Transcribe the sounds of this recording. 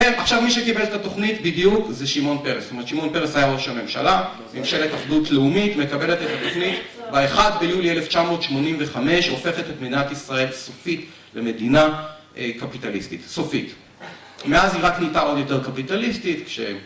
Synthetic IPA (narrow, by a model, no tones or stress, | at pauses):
eaχʃavmiʃekibe̞letato̞χnitbidjukzeʃimo̞npe̞ʁestometʃimonpe̞ʁesajaoʃame̞mʃa̰la | memʃelet̪ːaχdutleumitme̞kabe̞le̞tetat̪o̞χnit | veaeχadbe̞julieleft͡ʃamo̞ːt̪ʃmo̞nimveχame̞ʃofe̞χetetmed̪inatisʁae̞lsofit | leme̞dina | kapitalistitso̞fit | me̞aziʁaknitao̞d̪jo̞te̞ʁkapitalistitkʃḛ